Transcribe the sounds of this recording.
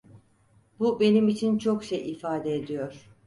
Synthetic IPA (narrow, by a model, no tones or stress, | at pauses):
bube̞nimit͡ʃʰint͡ʃʰokʃejifaːd̪eːd̪ijo̞ɾ̥